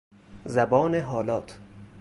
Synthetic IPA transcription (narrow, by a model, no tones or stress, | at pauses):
zæbɒːneɦɒːlɒːt̪ʰ